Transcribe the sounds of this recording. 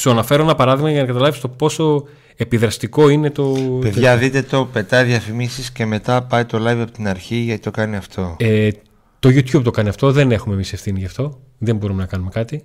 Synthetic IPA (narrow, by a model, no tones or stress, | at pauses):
suɐnɐfe̞ɾonɐpɐɾɐðiɣmɐʝɐnɐkɐt̪ɐlɐvist̪o̞po̞so̞ | e̞piðɾɐst̪iko̞ine̞t̪o̞peðʝɐðit̪e̞t̪o̞pe̞t̪ɐjðijɐfimisisce̞me̞t̪ɐpɐit̪o̞lɐjvɐpot̪inɐɾçiʝɐt̪it̪o̞kɐniɐft̪ʰo̞e | t̪o̞ʝut̪çub̚t̪o̞kɐniɐft̪o̞ðe̞ne̞xumemise̞fθiniʝɐft̪o̞ | ðe̞mbo̞ɾume̞nɐkɐnume̞kɐt̪i